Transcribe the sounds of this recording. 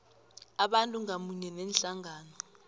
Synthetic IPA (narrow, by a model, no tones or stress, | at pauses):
aɓantʼuŋamuɲɛnɛnɬaŋaːnɔ